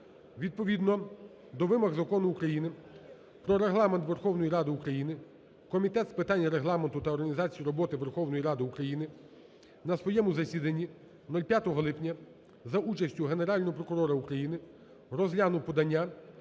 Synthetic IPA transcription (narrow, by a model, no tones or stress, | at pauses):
ʋʲid̪̚pɔʋʲid̪nɔ | d̪ɔʋɪmɐɣzɐkɔnʊukɾɐjinɪ | pɾɔɾeɦlˠɑment̪ʋe̞rxɔwnɔjiɾɑd̪ɪukɾɐjinɪ | kɔmʲit̪ɛt̪spɪt̪ɑnʲːɐɾeɦlˠɑment̪ʊt̪ɐɔrɦɐnʲizɑt͡sʲijiɾɔbɔt̪ɪʋerxɔwnɔjiɾɑd̪ɪukɾɐjinɪ | nɐsʋɔjɛmʊzɐsʲid̪ɐnʲːi | nɔlʲpʲjat̪ɔɦɔlˠɪpnʲɐ | zɐʔut͡ʃɐsʲtʲʊɦeneɾɑlʲnɔɦɔpɾɔkʊɾɔɾɐukɾɐjinɪ | rɔzlʲanʊpɔd̪ɐnʲːa